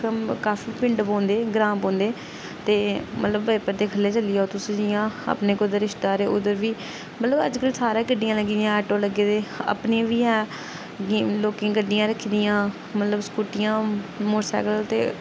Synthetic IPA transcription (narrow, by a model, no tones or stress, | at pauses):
kəmkaːfiːpɪɳɖpõːnd̪eːɡɾãːpõːnd̪eː | t̪eːmə̰t̪ləbːəpəɾd̪eːkʰəlːeːt͡ʃəlːiːoːt̪ʊsd͡ʒɪjãːə̰pneːkʊd̪əɾɪʃt̪aːɾeːʔʊd̪əɾʋiː | mət̪ləbə̰d͡ʒkəlsaːɾãːɡəɖːɪjãːləɡd̪ijãːɛːʈoːləɡeːd̪eːə̰pneʋiːɛː | loːkẽːɡəɖːɪjãːɾəkʰd̪ɪjãː | mət̪ləbskuːʈɪjãːmʊɾsɛ̰ːkəlt̪ḛː